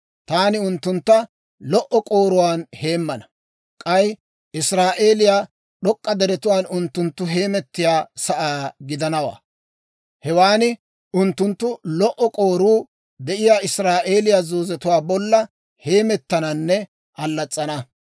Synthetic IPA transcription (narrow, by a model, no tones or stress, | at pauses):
t̪aːnɪʊnt̪ːʊnt̪ːɐ | lɔʔɔkʼoːɾʊwaːnhe̞ːmːɐnɐ | kʼɐj | ɪsɾaːʔe̞ːlɪjaː | ɗɔkʼːɐd̪ɛɾɛt̪ʊwaːnʊnt̪ːʊnt̪ːʊɦeːmɛt̪ːɪjaːsɐʔaːɡɪd̪ɐnɐwa̰ː | hɛwaːnɪ | ʔʊnt̪ːʊnt̪ːʊlɔʔɔkʼo̞ːɾuː | d̪ɛʔɪjaːɪsɾaːʔe̞ːlɪjaːzoːzɛt̪ʊwaːbɔlːɐ | he̞ːmɛt̪ːɐnɐnːɛ | ʔɐlːɐt͡sʼːɐnɐ